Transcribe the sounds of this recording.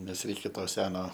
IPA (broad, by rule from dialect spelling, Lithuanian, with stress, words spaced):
ˈnʲɛs ˈrʲɛɪkʲɛ ˈtoː ˈsʲæːnoː